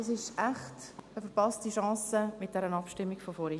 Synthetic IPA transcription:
ɑsɪʃʔaχtəfəɾpɑstiʃɑ̃ːsəmɪt̚d̥ɛɾənɑpʃtɪmːiɡfɔfɔɾi

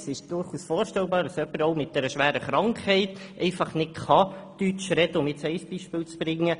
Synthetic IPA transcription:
sɪʃd̥ʊɾχuːsfoːɾʃtɛlbɑːɾdɑsœpːəɾoʊmɪt̚d̥ɛɾəʃʋæːɾəχɾɑŋkhɛɪtʔɛɪfɑχnɪtkʰχɑtyt͡ʃɾɛdəʊmɪtt͡sɛɪsb̥iʃpɪːlt͡sb̥ɾɪŋːə

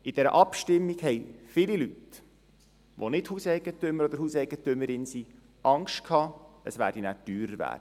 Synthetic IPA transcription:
ɪd̥ɛɾə̰ʔɑpʃtɪmːiɡhɛɪfɪlilyt | ʋonɪthuːsɛɪɡ̥ətʏmːəɾɔd̪əɾhuːsɛɪɡət̪ʏmːəɾɪnsiː | ʔɑŋʃtkʰhɑːəsʋæːɾd̥inæːtyːɾəɾʋæ̰ːd̥ə

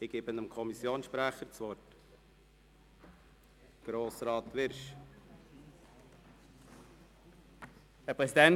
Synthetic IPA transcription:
ɪɡ̥eːbənəmkʰɔmisːjoːnsʃpɾæχəɾt͡sʋɔɾt | ɡ̥ɾoːsɾɑːt̪ʋɪɾʃ | ɛpʁɛsidɛn

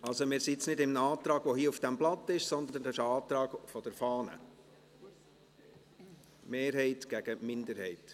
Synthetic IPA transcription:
ɑlsomɪːɾsitt͡snɪdɪmnɑːt̪ɾɑːɡ̥ʋɔhiːufd̥æmblɑtːɪʃsɔnd̪ənn̩dɑʃəɑːt̪ɾɑːɡ̥fɔd̥ɛɾfɑːnə̰ | meːɾɦɛɪtɡ̥æɡ̥əmɪndəɾhɛɪt

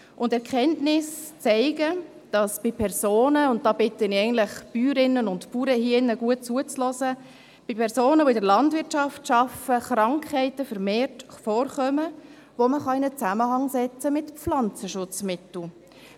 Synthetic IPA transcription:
ʔʊndɛɾkʰɛntnɪst͡sɛɪɡə | d̥ɑsb̥ɪpʰɛɾsoːnəʊnt̚d̥ɑːbɪtənɪɛɡəntlɪχpyːɾɪnːənʊntpuːɾəhinəɡuət̚t͡suət͡slɔsə | b̥ipʰɛɾsoːnəvoɪdəɾlɑndʋɪɾtʃɑftʃɑfəχɾɑŋkhɛɪtəfəɾmeːrtfɔːɾχœmə | ʋoməχɑɪnət͡sæməhɑŋsɛt͡səmɪtflɑnt͡səʃʊt͡smɪtl̩

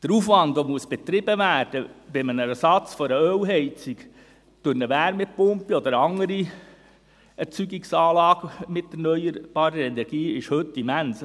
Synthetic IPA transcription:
d̥əɾufʋɑndomuəsb̥et̪ɾɪbəʋæːɾd̥əb̥ɪmənəɛsɑt͡sfɔɾəœwɦɛɪt͡sik | t̪ønəʋæːɾmɛpʊmpiɔd̪əɾɑŋəɾi | ɛɾt͡syɡiksɑːlɑːɡ̥mɪtːɛɾnœʏəɾb̥ɑːɾəɾɛnɛɾɡ̥iːɪʃhɵtːimæns

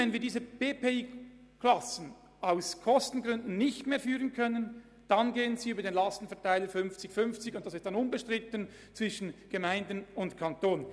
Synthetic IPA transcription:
ɛnviːɐdiːzəb̥eːpeiː | kʰlɑsn̩ | aʊskʰɔstn̩ɡʁʏndn̩nɪçtmeːɐfyːʁənkʰœnən | d̥ɑnɡeːənziːyːbɐdenlɑstn̩fɛɐtaɪləfʏnft͡sɪçfʏnft͡sɪçʊnt̚d̥ɑsɪstːɑnʊnbəʃtʁ̥ɪtən | t͡sv̥ɪʃən̩ɡ̥əmaɪndənʊntkʰɑntoːn

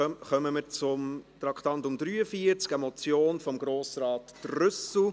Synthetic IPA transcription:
χœməməɾt͡sʊmt̪ɾɑktɑntʊmd̥̪ɾyːəfiəɾt͡skɛmɔt͡sjoːnfɔmɡɾoːsɾɑːtːrʏsl̩

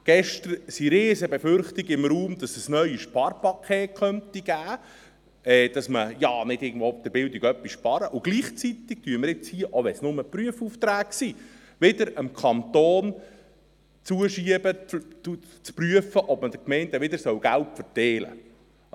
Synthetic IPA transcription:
ɡ̥ɛʃtəɾsiɾeːzəbɛfʏrχt̪iɡɪmɾuːmd̥ɑsəsnœʏəʃpɑrpɑkʰeːtχœnt̪iɡ̥æː | ɛːd̥ɑsməjɑnɪdɪɡən̩d̥̪voːp̚d̥̪əɾbɪld̪iɡœpːisʃpɑɾəʔʊɡ̥liːχt͡sit̪ik̚tyəməɾɪt͡shiəʔoʋɛnsnʊməpryəfuft̪ɾæːksi | ʋɪd̪əɾəmkʰɑnt̪oːn | t͡suəʃiəbəu | t͡spryəfəʔɔb̥məd̥̪əkmɛɪnt̪əʋɪdəɾsœwɡæltfərtɛːlə̰

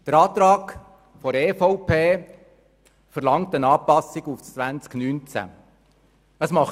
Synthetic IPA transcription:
d̥əɾɑːt̪ɾɑːk | fɔɾeːfɔʊpʰeː | fəɾlɑŋtənɑːpɑsiɡufʋænt͡sknyːnt͡sæ̰ | əsmɑχ

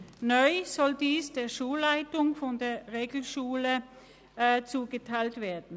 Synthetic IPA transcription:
nɔʏz̥ɔldiːsd̥eːɐʃuːlːaɪtʊŋfɔndeːɐʁeːɡl̩ʃuːlə | t͡suːɡətʰaɪltv̥eːɐdn̩

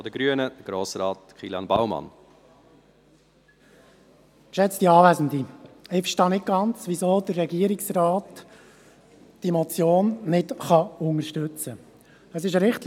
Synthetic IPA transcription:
ɔd̥̪əɡɾyənəd̥əɡ̥ɾoːsɾɑːt | χiːljɑnba̰wmɑ̰n | ʃɛt͡sd̥iɑːvæzən̩diɪfʃtɑnɪt̚ɡ̥ɑnt͡sʋizoːdərɛɡiəɾɪksrɑːt | d̥imɔt͡sjoːnnɪtχɑʊŋəɾʃtʏt͡sə | əsɪʃɾɪχtl

